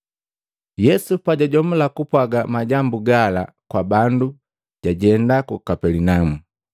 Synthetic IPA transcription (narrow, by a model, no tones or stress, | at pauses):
jɛsupaɟaɟɔmulakupwaɡamaɟambuɡala | kwabandu | ɟ̥aɟɛndakukapɛlinamu